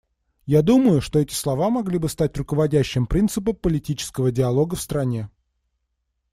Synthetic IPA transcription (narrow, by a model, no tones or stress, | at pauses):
jad̪uməjʊʂt̪o̞ɛtʲɪ̥slˠɐvamɐɡlʲibɨst̪atʲrʊkəvɐdʲæɕːɪmpɾʲint̪sɨp̬əpəlʲɪtʲit͡ɕɪ̥skəvədʲɪɐlˠo̞ɡəfst̪ɾɐnʲe